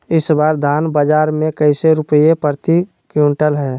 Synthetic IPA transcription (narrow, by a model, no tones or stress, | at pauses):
ɪsbaːɾd̪ʱaːnbəd͡ʒaːɾmẽkəɪseɾʊpəjepəɾt̪i | kjuɳʈəlɦɛː